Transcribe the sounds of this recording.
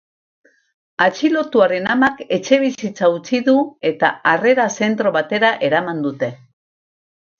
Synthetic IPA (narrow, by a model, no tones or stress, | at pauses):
at͡ʃilo̞t̪uaɾe̞namake̞t͡ʃe̞β̞isit͡saut͡siðue̞t̪a̰are̞ɾase̞nt̪ɾo̞βat̪e̞ɾaʔe̞ɾamand̪ut̪e̞